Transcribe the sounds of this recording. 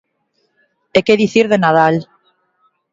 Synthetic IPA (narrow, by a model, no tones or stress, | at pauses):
ekeðiθiɾðenað̞al